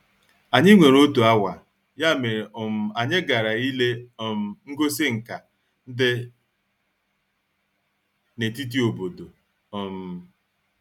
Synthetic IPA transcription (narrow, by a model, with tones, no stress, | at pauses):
a˨ɲɪ˦ŋʷe˨ɾo˦tu˨a˦wa˨ | ja˦˨me˨ɔ˨m̩˨a˨ɲɪ˦ɡa˨ɾa˨i˦le˦˨m̩˨ŋ̩˦ɡo˦sɪ˦ŋ̩˨ka˨ | n̩˦dɪ˦ | ne˨ti˦t̬i˦o˨bo˨do˨ | m̩˨